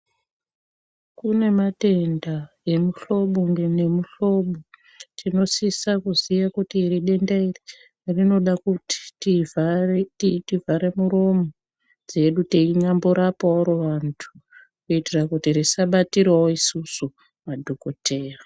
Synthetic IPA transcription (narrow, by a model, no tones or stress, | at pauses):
kune̞mate̞nda | e̞muɬo̞ɓoŋɡene̞muɬo̞ɓo | tʰino̞sisakuzijakutiriɗe̞ndairi | rino̞ɗakuti̥tivaritivaɾe̞muɾo̞mo | d͡ze̞ɗuteiɲambuɾapaoɾoʋantʰu̥ | kuitirakutirisaɓatirwawoisusu | madʱoko̞te̞ːra